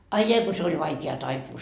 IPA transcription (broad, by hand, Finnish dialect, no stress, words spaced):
ɑi jɑi ko se olʲ ʋɑikeɑ tɑipuː